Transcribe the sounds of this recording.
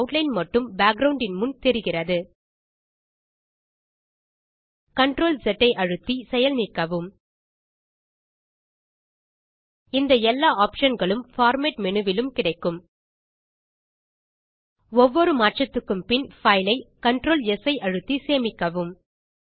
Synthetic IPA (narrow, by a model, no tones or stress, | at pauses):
ʊʈlɐɪnmɐʈːɯmbaːk̚ɡɾɐʊɳɖɪnmʊnt̪ɛɾɪɣɪrɐðɯ | kɐɳʈɾoːlsɛʈːɐɪʔɐɻɯt̪ːisɛjɐlniːkːɐʋɯm | ɪnd̪ɐɛlːaːaːpʂɐnɡɐɭɯmfaːɾmeːʈmɛnɯʋɪlɯmkɪɽɐɪkːɯm | ɔʋːɔɾɯmaːʈt͡ʃɐt̪ːɯkːɯmpɪnfɐɪlɐɪkɐɳʈɾoːlɛsɐɪʔɐɻɯt̪ːiseːmɪkːɐʋɯm